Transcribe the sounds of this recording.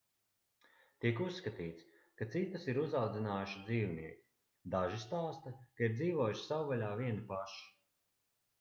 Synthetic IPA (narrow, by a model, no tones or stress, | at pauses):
t̪ikusːkat̪iːt̪s | kat̪sit̪asiɾuzawd̪zinaːjuʃid̪ziːwniɛkʲi̥ | d̪aʒist̪aːst̪akaiɾdziːvoɔjuʃsawvaʎʲaːviɛnipaʃi̥